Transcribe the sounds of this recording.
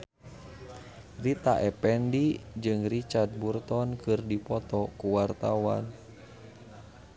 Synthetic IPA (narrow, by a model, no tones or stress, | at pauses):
rit̪aʔɛpɛndid͡ʒɨŋrit͡ʃard̪̚burt̪ɔnkɨrdipɔt̪ɔkuwart̪awa̰n